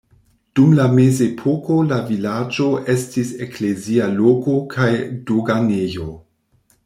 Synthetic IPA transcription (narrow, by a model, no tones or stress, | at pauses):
d̥umlame̞zepʰoko̞lavilad͡ʒo̞ʔe̞stiseklezialoko̞kʰajdoɡanejo